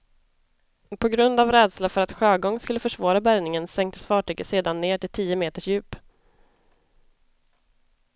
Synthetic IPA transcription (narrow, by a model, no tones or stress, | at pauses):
pʰɔɡɾɵnd̪avɾɛːd̪slafœɾat̪ɧøːɡɔŋːskɵlːəfœʂvɑːɾabæɾnɪŋənsɛŋkt̪ə̥sfɑːʈyːɡəseːd̪anːeːʈɪlt̪ʰiːəmeːt̪əʂjʉ̟ːp